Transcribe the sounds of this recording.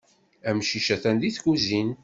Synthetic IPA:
æmʃiʃæθænd̪iθkuzin

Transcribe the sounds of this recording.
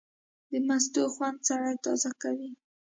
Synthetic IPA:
d̪əmast̪uxwand̪saɾajt̪ɑzakawi

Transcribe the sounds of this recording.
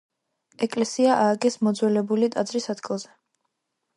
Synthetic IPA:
ɛkʼlɛsiaʔaːɡɛsmɔd̪zwɛlɛbulit̪ʼad̪zɾisad̪ɡʼilˠzɛ

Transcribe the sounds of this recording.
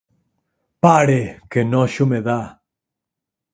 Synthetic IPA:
paɾekenɔʃomeða

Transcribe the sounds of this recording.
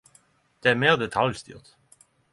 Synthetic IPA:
d̪̥eæːmeːʁd̪ɛt̪ʰɑljst̪y̰ːʁt̪

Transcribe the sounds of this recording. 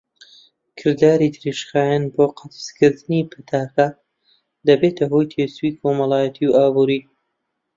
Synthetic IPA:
kʰɨɾd̪aːɾid̪ɾeʃxaːjanboːqʰɑt̪skʰɨɾd̪ɨnipʰɨt̪ʰaːka | d̪ɐbeːt̪ʰɐɦoːjt̪ʰeːsuikʰomɐlˠaːjɐt̪ʰiwʔaːbuːɾi

